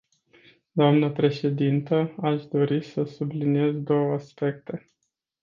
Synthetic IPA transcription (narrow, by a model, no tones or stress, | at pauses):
d̪oamnəpɾe̞ʃe̞d̪int̪əaʃd̪o̞ɾisəsublinie̞zd̪o̞wəaspe̞k̚t̪e̞